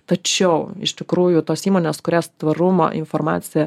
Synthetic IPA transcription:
t̪ɐt͡ʃʲɛʊɪ̰ʃt̪ʲɪkɾuːjʊt̪oːsiːmoːnʲeːskʊɾʲæːst̪ʋɐɾʊmo̰ːʔɪ̰nfoɾmɑ̰ːt̪sʲɪjɛ

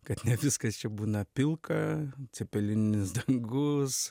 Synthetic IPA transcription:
kɐt̪nʲɛʋʲɪskɐst͡ʃʲɛbuːnɐpʲɪlˠkɐt͡s̪ʲɛpʲɛlʲɪnʲɪnʲɪsd̪ɐŋɡʊs

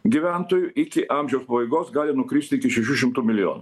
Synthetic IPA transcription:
ɡʲɪʋʲænt̪oːjʊʔɪkʲɪʔɑːmʲʒʲɛʊspɐʋɐɪɡoːsɡɑːlʲɪnʊkɾʲiːst̪ʲɪɪkʲɪʃʲɛʃ̬ʲuʃʲɪmt̪umʲɪlʲɪjo̰ːnʊ

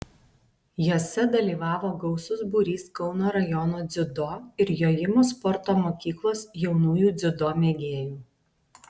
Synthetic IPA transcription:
joːsʲɛd̪ɐlʲiːʋɑːʋoːɡɒʊsʊsbuːɾʲiːskɒʊnoːɾɐjɔnoːd̪zʲɪd̪oːɪɾjoːjɪmoːspɔɾt̪oːmoːkʲiːklˠoːsjɛʊnuːjuːd̪zʲɪd̪oːmʲeɡʲeːjuː

